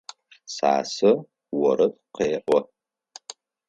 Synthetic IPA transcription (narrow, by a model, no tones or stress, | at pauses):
sa̰ːsɨ | wɔɾɐt | qeːʔʷɔ